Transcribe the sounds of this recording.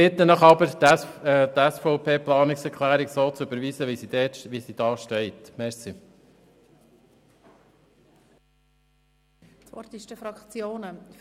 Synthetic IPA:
ɪt̪ːənəχɑbəɾtːt̪æsfɔʊpʰeːplɑːnɪksɛɾkχlæːɾiksoːt͡søbəɾʋiːsəʋisidɛːtʋisid̥ɑːʃtɛɪt̪mɛɾsi | t͡sʋɔɾt̪ɪʃtəfɾɑkt͡sjoːnə

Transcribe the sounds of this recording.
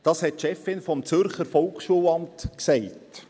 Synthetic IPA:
d̥ɑːshɛtʃɛfːɪnfɔmt͡sʏɾχəɾfɔlkχʃuəlɑmtksɛɪt

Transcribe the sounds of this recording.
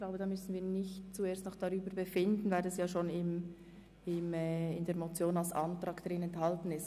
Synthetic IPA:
klaʊbəd̥ɑːmʏsn̩viːnɪçt̚t͡sueːstnɔχd̥ɑɾyːbəɾbəfɪndn̩vaɪldasjaːʃoːnɪm | ɪmɛːɪndeːɐmot͡sjoːnalsʔɑ̰ntɾɑːkd̥aɾɪnɛnthɑltn̩ɪst

